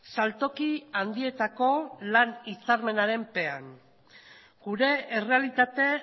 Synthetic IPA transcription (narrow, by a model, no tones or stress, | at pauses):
salt̪o̞kiand̪ie̞t̪ako̞lanit͡saɾme̞naɾe̞mpe̞aŋ | ɡ̥uɾe̞ːre̞alit̪at̪e̞